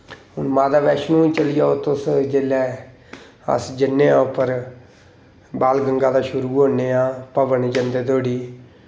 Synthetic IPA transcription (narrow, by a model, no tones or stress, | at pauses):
ɦʊnmaːd̪aːbɛːʃnũːit͡ʃəlɪjaːoːt̪ʊsd͡ʒeːlɛː | ə̰sd͡ʒɪnːeːãːpəɾ | baːlɡəŋɡaːd̪aːʃʊɾuːɦoːnːeːãːpəʋəɳd͡ʒənd̪eːt̪oːɽiː